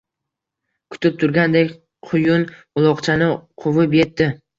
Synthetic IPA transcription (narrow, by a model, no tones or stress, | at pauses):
kʰʊ̥t̪ʰɪp̚t̪ʰʊɾɡʲand̪ekʲ | qʰʊjʊn | ʊlˠɒqt͡ʃʰanɪqʰʊvɪpjet̪ːɪ